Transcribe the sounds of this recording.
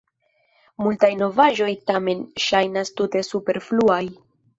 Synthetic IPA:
multajno̞vaʒo̞jtame̞nʃajnastute̞supe̞ɾfluaj

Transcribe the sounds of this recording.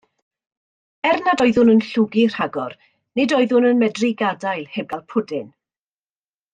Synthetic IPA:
ɛrnadɔɨðʊnənɬʊɡir̥haɡɔr | nɪdɔɨðʊnənmɛdriɡadajlˠhɛb̚ɡ̥alˠpʰʊdɪn

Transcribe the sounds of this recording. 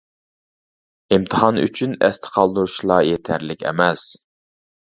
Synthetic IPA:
imt̪ʰəhɑny̰t͡ʃʰynɛ̰st̪ʰə̥qʰɑlˠd̪uɾuʃlˠɑjet̪ʰæɾlɪkʲɛ̰mɛs

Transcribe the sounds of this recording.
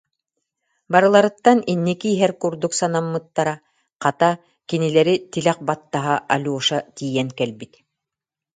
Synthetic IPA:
baɾɯlˠaɾɯt̪ːaninːikiːɦɛɾkuɾd̪uksanamːɯt̪ːaɾa | qat̪a | kinilɛɾit̪ilɛq̚bat̪ːaɦaʔalʲuɔʃat̪iːjɛŋkɛlbit̪

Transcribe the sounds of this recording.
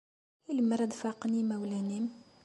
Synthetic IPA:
iləmɾˤɑd̪fɑqnimæwlænim

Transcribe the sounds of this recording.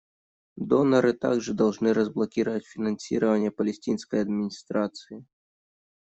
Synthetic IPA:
d̪ɔnɐɾɨt̪a̰ɡʐɨd̪ɐlˠʐnɨɾəzblˠɐkʲiɾəvətʲfʲɪnɐnsʲḭɾəvɐnʲɪjəpɐlʲɪsʲtʲinsʲkəjɐd̪̚mʲɪnʲist̪ɾat̪sɨi

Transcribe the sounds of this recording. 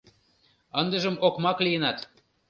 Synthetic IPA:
ənd̪ə̆ʒəmokmɑkliənɑt̪

